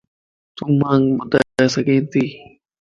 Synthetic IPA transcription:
t̪ʊmãːŋbʊd̪aaːsəɡẽːnt̪iː

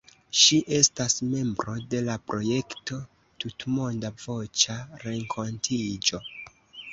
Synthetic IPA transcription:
ʃiʔe̞stasme̞mbɾo̞de̞lapɾo̞je̞kto̞ | tutmo̞ndavo̞t͡ʃaɾe̞ŋkʰo̞ntʰid͡ʒo̞

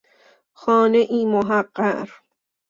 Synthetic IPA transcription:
xɒːneʔiːmoɦæqːæ̰ɾ

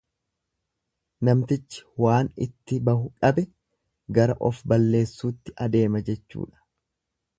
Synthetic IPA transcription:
nɐmt̪ɪt͡ʃːɪ̥waːnɪ̰t̪ːɪbɐhʊᶑɐbɛ | ɡɐɾɐ̰ʔɔfbɐlːe̞ːsːuːt̪ːɪʔɐd̪e̞ːmɐd͡ʒɛt͡ʃːṵːᶑɐ̥

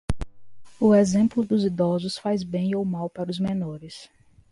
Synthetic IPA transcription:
ʊezẽmplʊd̪ʊzid̪ɔzʊsfajzbẽj̃owmawpaɾʊzmẽnɔɾɪs

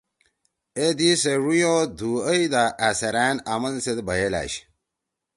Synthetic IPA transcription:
ed̪iseɻujoːd̪uəjd̪aʔasɐɾæːnamɐnsed̪bɐjela̰ːɕ

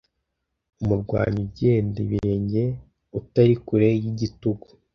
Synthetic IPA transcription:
umuɾɡwa̰ːɲubɟe̞ːndḛβiɾeɲɟe̞ | utaɾikuɾejiɟituɡu

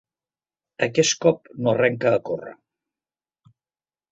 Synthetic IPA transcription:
əkɛskɔp̚norɛŋkəːkorə̰

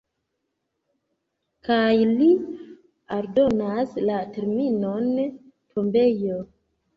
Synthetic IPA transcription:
kajli | aɾdo̞naslate̞ɾminon | tʰo̞mbe̞jo

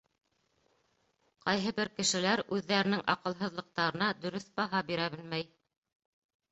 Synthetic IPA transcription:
qɑjɦɤbɘɾkɘ̆ʃɘ̆læɾʉðːæɾɘ̆nɘŋʔɑ̰qɤ̆lˠɦɤ̆ðlˠɤ̆q̚t̪ɑɾɤ̆nɑd̪ɵ̆ɾɵθbɑɦɑbiɾæbɘlmæj

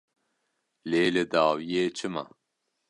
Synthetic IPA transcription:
leːlɨd̪aːwijeːt͡ʃʰɨma̰

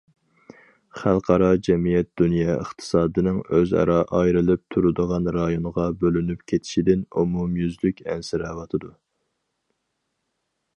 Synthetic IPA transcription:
χælˠqʰɑɾɑd͡ʒɛmijɛt̪̚d̪̥unjɑːəχt̪ʰɨ̥sɑːd̪ɨnɨŋøzɑ̰ɾɑʔɑjɾɨlˠɨp̚t̪ʰuɾud̪əʁɑnɾɑjonəʁɑbølynypkʲʰet̪ʰɪ̥ʃid̪ɪnumumjyzlykʲɛ̰nsɪɾɛvɑt̪ʰɨd̪u

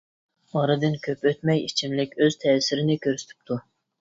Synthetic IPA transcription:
ɑɾɨd̪ɨnkʲʰøpøt̪mɛjit͡ʃʰimlɪkʲøz̥t̪ʰɛːsɪɾɪnɪkʲʰøɾsy̥t̪ʰɪ̥p̚t̪ʰu

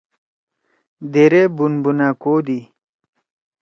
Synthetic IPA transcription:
d̪eɾebunbunakoːd̪i

